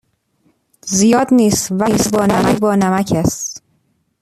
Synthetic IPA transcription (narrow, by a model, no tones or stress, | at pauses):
zijɒːd̪niːst̪væsbɒːnæmæcbɒːnæmæcʰæst̪